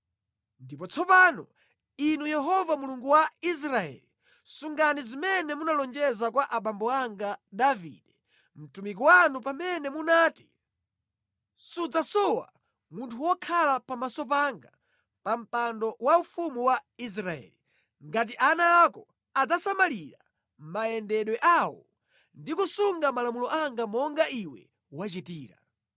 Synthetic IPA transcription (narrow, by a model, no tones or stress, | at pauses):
ndipɔt͡sʰɔpanɔ | inujɛɦɔvamuluŋɡuwais̬ɾaɛ̰li | suŋɡanizimɛnɛmunalɔnd͡ʒɛzakwaʔaɓambɔaŋɡadavḭɗɛ | m̩tumik̬iwanupamɛnɛmunaːti̥ | sud͡zasɔwa̰ | muntʰuwɔkʰalapamasɔp̬aŋɡa | pam̩pandɔwaufumuwais̬ɾaɛ̰ːli | ŋɡat̬iʔanaːkɔ | ad͡zasamaliɾa | maɛndɛɗwɛʔawɔ̰ | ndikusuŋɡamalamulɔʔaŋɡamɔŋɡaiwɛ̰ | wat͡ʃitiːɾa̰